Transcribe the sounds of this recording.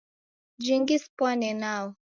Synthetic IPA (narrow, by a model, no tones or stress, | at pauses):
d͡ʒiŋɡispwanɛnawɔ